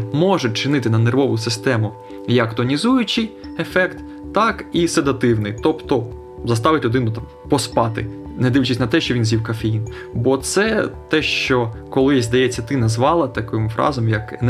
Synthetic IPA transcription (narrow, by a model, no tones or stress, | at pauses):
mɔʒʊt͡ʃɪnɪt̪ɪnɐnerʋɔʋʊsɪst̪ɛmʊ | jɐkt̪ɔnʲizujʊt͡ʃɪjefɛkt̪ː | ɑkised̪ɐt̪ɪwnɪjt̪ɔpt̪ɔ | zɐst̪ɑʋɪtʲlʲʊd̪ɪnʊt̪ɑm | pɔspɑt̪ɪ̰nɛd̪ɪʋt͡ʃɪsʲnɐt̪ɛʃt͡ʃɔʋʲinzʲiwkɐfejin | bɔt̪sɛt̪ɛʃt͡ʃɔkɔlˠɪzʲd̪ɐjɛt͡sʲːɐt̪ɪnɐzʋɑlˠɐt̪ɐkɔmfɾɑ̰zɔmjɐkn